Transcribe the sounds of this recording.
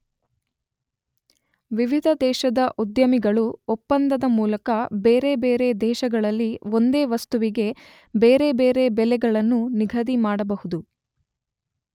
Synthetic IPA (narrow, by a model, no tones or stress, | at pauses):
ʋiʋid̪ʱɐd̪ɛːʃɐd̪ɐʔud̪jɐmiɡɐɭuɔpːɐnd̪ɐd̪ɐmuːlɐkɐbeːɾe̞beːɾe̞d̪ɛːʃɐɡɐɭɐlːio̞nd̪e̞ːʋɐst̪uʋiɡe̞ | beːɾe̞beːɾe̞bɛlɛɡɐɭɐnːuniɡʱɐd̪imaːɽɐbɐhud̪u